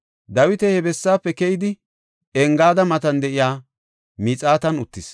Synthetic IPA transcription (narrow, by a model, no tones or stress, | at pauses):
d̪ɐwɪt̪ɛhɛbɛsːaːpːɛkɛjɪd̪ɪ | ɛŋɡaːd̪ɐmɐt̪ɐnd̪ɛʔɪjaː | miːt͡sʼaːt̪ɐnʊt̪ːɪs